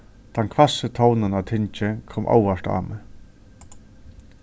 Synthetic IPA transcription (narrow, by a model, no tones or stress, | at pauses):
t̪ʰankʰvasət̪ʰownanat̪ʰɪnt͡ʃɪkʰɔmʔa̰war̥t̪a̰ːmɪ